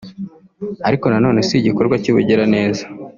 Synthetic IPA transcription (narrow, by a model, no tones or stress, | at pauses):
aɾiko̞nano̞ːne̞seɟiko̞ɾɡwaciβṵɟeɾane̞ːzḁ